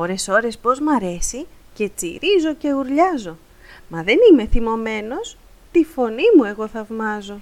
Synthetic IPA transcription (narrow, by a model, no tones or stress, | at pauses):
oɾe̞so̞ɾe̞spo̞zmɐɾe̞si | ce̞t͡sḭɾizo̞ce̞uɾʎɐzo̞ | mɐðe̞nime̞θimo̞me̞no̞s | t̪ifo̞nimue̞ɣo̞θɐvmɐzo̞